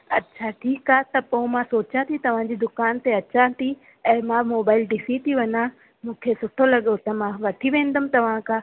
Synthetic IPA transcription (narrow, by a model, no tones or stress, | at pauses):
ɐtːɕʰaʈʰiːkaːɦt̪ɐpõmãsoːt͡ɕãt̪ʰit̪ɐʋ̤ãd͡ʑiːd̪ʊkaːnt̪eɐt͡ɕat̪i | ɛ̃ːmãmoːbaːɪlɖisit̪ʰiʋɐɲã | mũːkʰesʊʈʰolɐɠot̪ɐmãʋɐʈʰiʋẽːn̆d̪əmt̪ɐʋ̤ãkãː